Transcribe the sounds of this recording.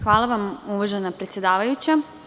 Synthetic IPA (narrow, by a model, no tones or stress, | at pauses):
xʋaːlˠaʋamuʋaʒenapɾet̪sjed̪aːʋajut͡ɕa